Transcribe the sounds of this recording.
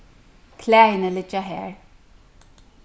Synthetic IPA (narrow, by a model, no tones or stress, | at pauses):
kʰlɛːjnəlɪt͡ʃaɦɛ̰ɹ